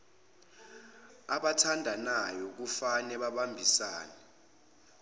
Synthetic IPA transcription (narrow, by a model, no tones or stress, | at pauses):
aɓatʰandʱanajɔk̬ufanɛɓaɓambʱisaːnɛ